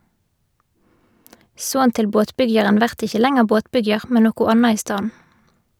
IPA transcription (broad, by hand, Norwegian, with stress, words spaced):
ˈsoːn ˈtɪl ˈboːtˌpʏɡjɑʁən ˈʋæʁt ˈɪçə ˈlɛŋəʁ ˈboːtˌpʏɡjɑʁ ˈmɛn ˈnoːkʊ ˈɑnɑ ˈiː ˈstɑːn̩